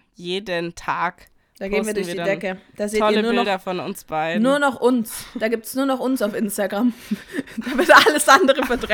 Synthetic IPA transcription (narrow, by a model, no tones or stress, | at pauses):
jeːdəntʰaːk | d̥aːɡeːn̩viːɐdʊɐnvdɐ̥idɛkəd̥aːzeːɔlːɐluːɪnɔdɐfɔnʊ̰nsb̥aɪdnuːɐnɔχʔʊnsd̥aːɡiːp̚tsnuːɐnɔχʊnsaʊfʔɪnstaɡʁamd̥aːvɪɐtʔaləsʔandəʁəfɛɐtʁɛ